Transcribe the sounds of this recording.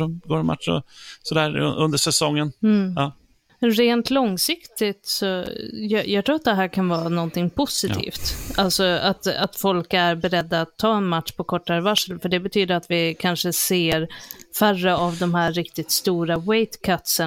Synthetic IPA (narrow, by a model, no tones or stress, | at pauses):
ɔɡoːɛma̰t̪ʂɔ̰sɔd̪æːɾ̰ɵnd̪əʂɛsɔŋːənɑː | ɾeːnt̪lɔŋsɪkt̪ɪt̪sɔjɑjɑːɡt̪ʰɾuːɾat̪̚d̪ɛɦæːɾkʰanvɑːɾanɔnt̪ʰɪŋpʰʊsɪḭːft̪alsɔat̪a̰t̪fɔlkæɾbɛɾɛd̪ːaːt̪ʰːɑːɛnmat̪ʂpʰɔkʰɔʈːaɾvaʂəlfœɖɛbɛt̪ʰyːd̪əɾat̪vɪkʰanʂəseːɾfærːəavd̪ɔmhæːɪkt̪ɪt̪st̪uːɾawɛjt̪kʰat̪sə